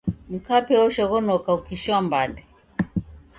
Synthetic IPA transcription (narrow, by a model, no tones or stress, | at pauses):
m̩kapɛɔʃɔɣɔnɔkaukiʃambandɛ